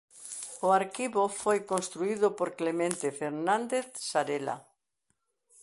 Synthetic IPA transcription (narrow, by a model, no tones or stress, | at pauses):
ʊaɾkiβofojkõnst̪ɾuiðʊpoɾklemẽnt̪efeɾnãnd̪eθsaɾela̰